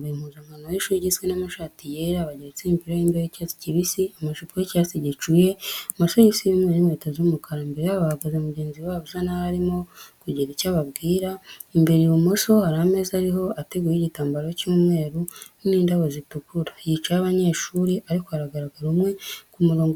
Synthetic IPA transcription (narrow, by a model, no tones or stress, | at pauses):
eimhuzaŋanojiʃuɾiɟit͡swenamaʃaːtijeɾaβaɟeɾet͡seimpiɾajiːmbejecat͡si̥ciβisiamaʃipujecaːt͡siɟit͡ʃuje̞moʃojisiimwenimweːtazuumukʰaɾambe̞ɾejaβahaɡazemuɟe̞ːnziwaːβozanahaɾimo̞kuɟiɾicaβaβɡiːɾaimbe̞ɾijumoʃo̞haɾame̞zaɾiɦo̞ate̞ɡujiɟitaːmbaɾocuːmŋe̞ːɾu | niːndaβozitukuɾajit͡ʃajaβaɲe̞ːʃuɾiʔaɾikohaɾaɡaɾaɡaɾumŋe̞kumuɾo̞ːŋɡ